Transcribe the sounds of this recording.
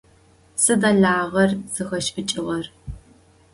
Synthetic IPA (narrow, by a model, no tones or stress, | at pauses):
sɨdɐɮaːʁɐrz̥ɨxɐʃʼɨt͡ʃʼɪʁɐr